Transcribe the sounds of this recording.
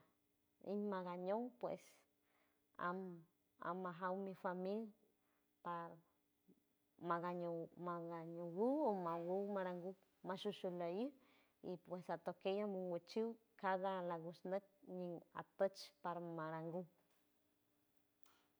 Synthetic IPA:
ḭɲmaɣaɲowpwḛs | a̰m | a̰maɦawmifamil | paɾ | maɡaɲomaɡaɲowuomawumaɾaŋɡu | maʃuʃulajɨ | ipwesat̪okejamuŋwet͡ʃiw | kaðalaɡusnək̚ɲia̰t̪ət͡ʃpaɾmaɾaŋɡu

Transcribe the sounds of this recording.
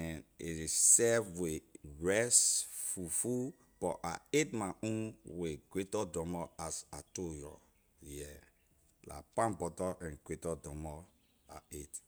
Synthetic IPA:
ɛneɾisɛvweɹɛsfufu | b̥ɔʔa̰etmaũnweɡɾetɔdɔmɔasatojɔ̰ | jɛ | la̰pãnbɔtɔʔɛ̃nɡetɔdɔmɔ | a̰et

